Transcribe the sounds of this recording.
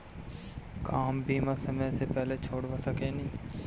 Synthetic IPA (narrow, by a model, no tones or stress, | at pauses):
kaːmbiːmasəmẽsepɛɦlet͡ʃʰoːɽʋɐsəkenĩː